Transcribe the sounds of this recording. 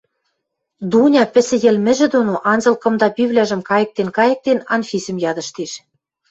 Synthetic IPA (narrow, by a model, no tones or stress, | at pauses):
d̪unʲɑpɘ̆sɘ̆jɘ̆lmɘ̆ʒɘ̆d̪onoʔɑnzɤ̆lkɤ̆md̪ɑpiβlʲæʒɘ̆mkɑjɤ̆k̚t̪enkɑjɤ̆k̚t̪enɑnfʲisʲɘ̆mjɑd̪ɤ̆ʃt̪eʃ